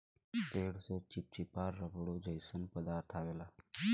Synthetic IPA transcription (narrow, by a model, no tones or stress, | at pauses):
t̪eɽset͡ɕip̚t͡ɕipaɾːəbɽod͡ʒəjsənpəd̪aɾt̪ʰaʋela